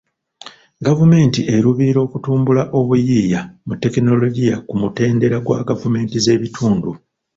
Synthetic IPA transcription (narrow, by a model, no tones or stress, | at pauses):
ɡavume̞ːntiʔe̞ɾuβiɾo̞ːkutuːmbulaʔo̞βujiːjamutːe̞kino̞lo̞ɟijakumute̞ːnde̞ɾaɡwa̰ɡavume̞ːntize̞ːβitʰuːndu